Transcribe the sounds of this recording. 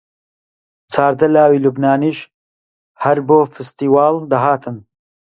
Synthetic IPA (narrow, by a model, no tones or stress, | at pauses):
t͡sʰaːɾd̪ɐlaːwiːlubnaːniːʃ | hɐɾboːfɨst̪iːwaːld̪ɐɦaːt̪ʰɨn